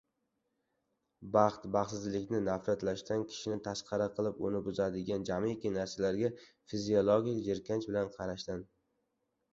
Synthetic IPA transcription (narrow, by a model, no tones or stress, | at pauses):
bɑχt̪bɑχsɪzlɪkʲnɪnafɾat̪laʃt̪ankʲʰɪ̥ʃɪnɪt̪ʰasqʰɑɾaqʰɨlˠɪpʊnɪbʊzad̪ɪɡʲand͡ʒamikʲinaɾsalaɾɡʲa | fiziolˠoɡʲijd͡ʒeɾkʲʰant͡ʃbɪlanqʰɑɾaʃt̪an